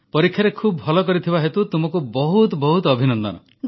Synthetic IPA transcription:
pɔɾikʰːjaɾekʰubbʱɔlɔkɔɾit̪ʰibaɦet̪ut̪umɔkubɔɦut̪ɔbɔɦut̪ɔbʱinɔnd̪ɔ̰nɔ̰

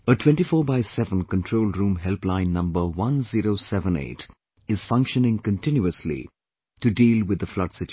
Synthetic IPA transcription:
ətʰw̥ɛ̃nʈifɔːbaɪsɛvə̃nkə̃ntʰɹoʊlɾũːmɦɛlplãɪ̃nːʌ̃mbəwʌ̃nziɾoʊsɛvə̃nḛɪt | ɪz̥fʌ̃ŋkʃənɪ̃ŋkə̃ntɪ̃njuəslḭ | tɨdiːlwɪd̪əflʌdsɪt͡ʃ

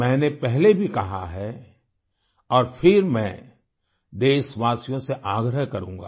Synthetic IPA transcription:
mɛ̃ːnepɛɦlebʱikɐɦa̰ɦɛ | ɔːɾfʰɪɾmɛ̃ | d̪eːʃʋaːsijõseʔaːɡɾəɦkɐɾũːŋɡa̰ː

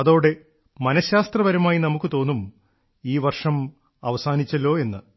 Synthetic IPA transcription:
ɐðoːɽe̞ | mɐnɐɕjaːst̪rɐʋɐɾɐmaːjinɐmukːɨt̪o̞ːnːum | iːʋɐrʂɐm | ɐʋɐsaːnit͡ɕːɐlo̞ːe̞nːɨ

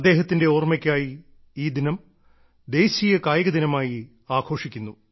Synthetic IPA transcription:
ɐd̪ːe̞ːɦɐt̪ːinde̞oːrmɐkʲːaːji | iːd̪inɐm | d̪e̞ːɕijɐkaːjɐɣɐd̪inɐmaːji | aːɡʰʱo̞ːʂikʲːunːu

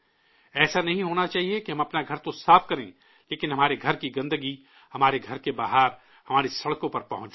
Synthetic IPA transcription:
ɛːsanɐɦĩɦoːnat͡ʃaːɦiekeɦɐ̃mɐpnaɡʱɐɾt̪osaːfkɐɾḛ̃ː | leːkɪnɦɐmaːɾeɡʱɐɾkiɡɐ̃nd̪əɡi | hɐmaːɾeɡʱɐɾkebaːɦaːɾ | hɐmaːɾesɐɽkõpɐɾpɐɦʊ̃t͡ʃ

